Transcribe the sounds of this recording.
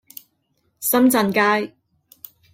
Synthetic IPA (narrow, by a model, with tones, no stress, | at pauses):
sɐ˥mt͡sɐ˨˧nkaː˥j